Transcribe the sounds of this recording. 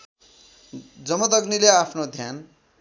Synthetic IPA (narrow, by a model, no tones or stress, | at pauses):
d͡zʌmʌd̪ʌɡnileapʰnod̪ʱjan